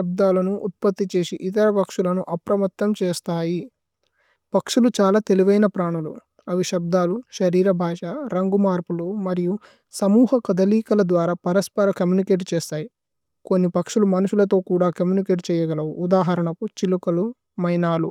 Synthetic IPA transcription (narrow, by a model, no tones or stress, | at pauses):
ɐb̚d̪aːlɐnuʔːt̪̚pɐt̪ːit͡ʃeːsiʔit̪̬ɐɾɐpɐkʂulɐnuʔɐpɾɐmɐt̪ːɐmt͡ʃɛːst̪aːji | pɐkʂulut͡ʃaːlaːt̪e̞liʋɐjnɐpɾaːɳulu | ɐʋiʃɐb̚d̪aːluʃɐɾiːɾɐbʱaːʃaɾɐŋɡumaːɾpulumɐɾiju | sɐmuːɦɐkɐd̪ɐliːkɐlɐd̪ʋaːɾaːpɐɾɐspɐɾɐkɐmjuːnikeːʈ̬t͡ʃɛːst̪aːji | ko̞nːipɐkʂulumɐnuʃulɐt̪̬o̞ːkuːɽaːkɐmjuːnikeːʈt͡ʃɛːjɐɡɐlɐʋuʔːd̪aːɦɐɾɐɳɐkut͡ʃilukɐlu | mɐjnaːlu